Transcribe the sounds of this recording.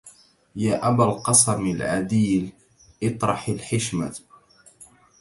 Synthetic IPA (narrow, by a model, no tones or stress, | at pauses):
jaːʔabalqɑsˤɑmalʕad̪iːl | ʔɨt̪ˤɾˤɑħalħɪʃma̰